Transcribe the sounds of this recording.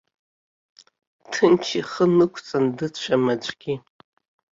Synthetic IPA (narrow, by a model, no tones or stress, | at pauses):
tʰɨnt͡ʃʰiχənɨkʷʰt͡sʼandɨʃʷamat͡ʃʷʼɡ̥ʲi